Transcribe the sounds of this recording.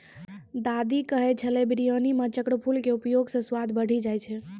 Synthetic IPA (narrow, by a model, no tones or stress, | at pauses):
d̪ad̪ikəɦɛt͡ʃʰəlɛbɾijənimə̃t͡ʃəkɽəpʰulkeupjoɡsə̃swad̪bəɽ̤id͡ʒajt͡ʃʰɛ